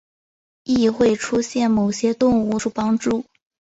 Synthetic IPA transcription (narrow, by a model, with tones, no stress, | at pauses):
i˥˧xwe˥˩ɪʈ͡ʂʰu˥ɕjɛ˥˩nmo˨˩ʊɕjɛ˥t̪ʊ˥˧ŋu˥˧ʂu˥˩pɑ˥ŋʈ͡ʂu˥˩